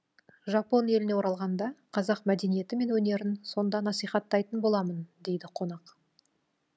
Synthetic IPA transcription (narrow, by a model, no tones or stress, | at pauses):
ʒɑpo̞nje̞lɪne̞wo̞ɾɑlˠʁɑnd̪ɑqʰɑzɑqmæd̪e̞nije̞t̪ɪme̞nwɵne̞ɾɪnso̞nd̪ɑnɑsijχɑt̪ːɑjt̪ənbo̞lˠɑmənd̪e̞jd̪ɪqʰo̞nɑq